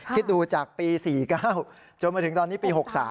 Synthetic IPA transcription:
kʰt̪̚duː˧t͡ɕaː˨˩k̚piː˧siː˨˩kaː˥˩w | t͡ɕo˧nma˧t̪ʰɯ˩˦t̪ɔː˧nːiː˦˥piː˧ɦo˨˩k̚sa̰ː˩˦

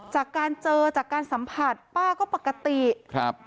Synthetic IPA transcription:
t͡ɕaː˨˩kːaː˧nt͡ɕɤː˧t͡ɕaː˨˩kːaː˧nsa˩˦mpʰa˨˩t̪̚paː˥˩kɔː˥˩pa˨˩kːa˧t̪i˨˩ʔkʰɾa˦˥p̚

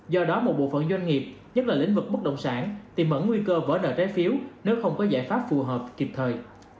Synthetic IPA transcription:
zɔ˧ɗɔ˨˦mo˨˩t̚ɓo̰˧˨fə̰˧˨nzwa˧jŋ̟ŋi˨˩p̚ɲə˦˥t̚laː˨˩lḭ˧˥ŋ̟vɨ˨˩k̚ɓə˦˥k̚ɗə̰˧˨wŋ͡msaː˧˩nt̪i˨˩mʔə̰˧˩nŋwi˧kəː˧və̰ː˧˩nə̰ː˧˩t͡ɕaː˨˦jfi˨˦əwne˨˦wxə˧wŋ͡mkɔ˨˦zaː˧˩jfaː˦˥p̚fu˨˩ɦəː˨˩p̚ki˨˩p̚t̪ʰəː˨˩j

